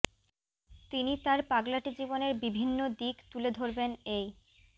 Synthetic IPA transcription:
t̪init̪aɾpaɡlaʈid͡ʑiboneɾbibʱinːod̪ikt̪uled̪ʱoɾbenej

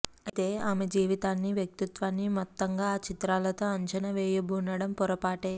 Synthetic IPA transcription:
ɐt̪eːaːmed͡ʒiːʋit̪aːnːiʋjɐk̚t̪it̪ʋaːnːimɔt̪ːɐŋɡaːt͡ʃit̪ɾaːlɐt̪o̞ːɐɲt͡ʃɐnɐʋɛːjɐbuːnɐɽɐmpɔɾɐpaːʈeː

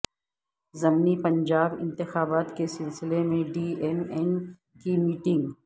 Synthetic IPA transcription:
zɐmnipɐ̃ɲd͡ʒaːbɪ̰̃nt̪ɪxaːbaːt̪kesɪlsɪlemẽɖiːemɛn | kimiːʈɪ̃ŋɡ

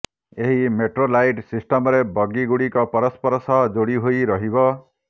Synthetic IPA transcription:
eɦimeʈrolajɖsisʈʌmʌɾebʌɡiɡuɽikopʌɾʌspʌɾsʌd͡zoɽiɦojɾʌɦibʌ

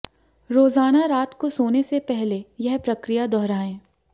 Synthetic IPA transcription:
ɾoːzaːnaɾaːt̪kosoːnesepɛɦlejɛɦpɾɐkɾijad̪ɔɦɾaːẽː

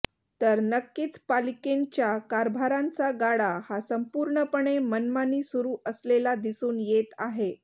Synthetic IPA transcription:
t̪əɾnəkːiːt͡spalikeɲt͡ɕjakaɾbʱaɾãnt͡saɡaɽahasəmpuːɾɳəpəɳemənmaniːsuɾuːʔəslelad̪isuːnjet̪aɦe

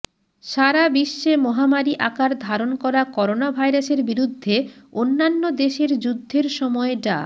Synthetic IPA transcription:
ʃaɾabiʃːemɔɦamaɾiʔakaɾd̪ʱaɾonkɔɾakɔɾonabʱajɾaʃeɾbiɾud̪ʱːeonːanːod̪eʃeɾd͡ʑud̪ʱːeɾʃɔmɔeɖa̰

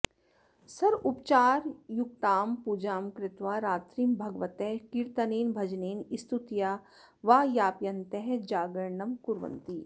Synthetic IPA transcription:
sɐɾʊpt͡ʃaːɾjʊkt̪aːmpud͡ʒaːmkɾɪt̪ʋaːɾaːt̪ɾiːmbʱɐɡʋɐt̪ɛɦkiɾt̪ɐneːnbʱɐd͡ʒneːnɪst̪ut̪jaː | ʋaːjaːpjɐnt̪ɛɦd͡ʒaːɡɐɾɳɐmkuɾʋɐ̰nt̪i

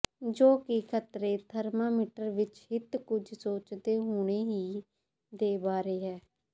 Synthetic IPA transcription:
d͡ʒoːkɪkʰət̪ɾeːt̪ʰəɾmaːmɪʈəɾʋɪt͡ʃɦɪt̪kʊd͡ʒʱsoːt͡ʃd̪eːɦoːɽ̃eːɦiː | d̪eːbaːɾeːɦɛː

